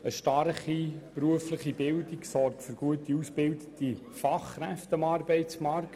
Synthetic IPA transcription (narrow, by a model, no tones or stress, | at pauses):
əʃtɑrχipɾuəfləχibɪldiksɔrkfʏɾɡ̥uətiusb̥ɪldəti | fɑχːɾæftəɑmɑːrbɛɪt͡smɑrk